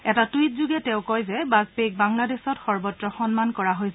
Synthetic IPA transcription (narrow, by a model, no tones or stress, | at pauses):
ɛtatuitzuɡɛtɛ̃ʊ̃kɔjzɛbazpek̚baŋladesɔtxɔɹbɔtɹɔxɔnmankɔɹaɦojsɛ